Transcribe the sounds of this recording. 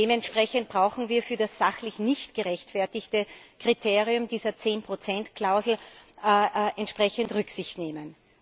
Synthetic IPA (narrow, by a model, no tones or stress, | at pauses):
eːmɛntʃpʁ̥ɛçənt̚b̥ʁaʊxn̩viːɐfyːɐdasz̥axlɪçnɪçtɡ̥əʁɛçtfɛɐtɪçtəkʁ̥itʰeːʁiʊmdiːzɐt͡seːnpʁ̥ot͡sɛntkl̥aʊzl̩ː | ʔɛntʃpʁ̥ɛçəntʁʏksɪçtneːmən